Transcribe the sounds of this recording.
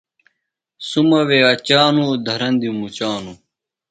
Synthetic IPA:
sumɐweɐt͡ɕaːnud̪ʱɐɾɐnd̪imut͡ɕaːnu

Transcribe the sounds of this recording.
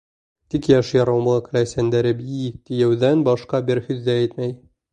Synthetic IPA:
t̪ikjæʃjɒɾɑwmˠɤk̆læjsænd̪æɾɘpit̪ijæwðænbɒʃqɑbiɾhʉðːææjt̪mæj

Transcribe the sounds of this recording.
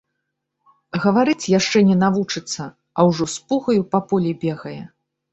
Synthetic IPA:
ɣɐvaɾɨt͡sʲjaʂt͡ʂɛnʲɛnavut͡ʂɨt̪sːɐ | ɐwʐɔspuɣɐjupapɔlʲibʲɛɣɐjɛ

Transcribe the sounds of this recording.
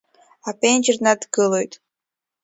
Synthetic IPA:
apenʲd͡ʒrnad̪ɡɨlˠojt̪ʼ

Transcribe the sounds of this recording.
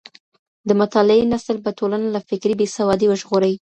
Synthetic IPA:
d̪əmʊt̪ɑlɪenasəlpəʈolanalafɪkɾibesawɑd̪iwəʒɣoɾəwi

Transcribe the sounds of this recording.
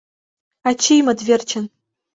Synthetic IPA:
at͡ʃʰijmadvʲert͡ʃʰan

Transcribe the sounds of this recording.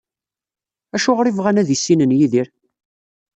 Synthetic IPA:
æʃʊʁɾivʁænæðisːinənjiðiɾ

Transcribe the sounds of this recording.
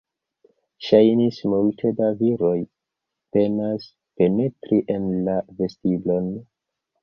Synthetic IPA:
ʃajnismultʰe̞daviɾo̞j | pe̞nas | pe̞ne̞tɾiʔe̞nlave̞stiblo̞n

